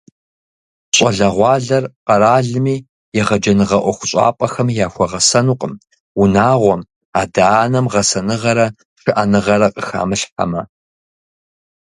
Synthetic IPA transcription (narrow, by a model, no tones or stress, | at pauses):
ɕʼɐɮɐʁʷɑːɮɐrqɐɾaːɮɨmiː | jɛʁɐd͡ʒɐnɨʁɐʔʷɔxʷʊ̥ɕʼɑ̰ːpʼɐxɐmjaːxʷɔʁɐsɐnuːqʼəm | ʊnaːʁʷɔm | aːdaːnɐmʁɐsɐnɨʁɐɾɐ | ʂɨʔanɨʁɐɾɐqʼəxa̰ːmɨɬħa̰mɐ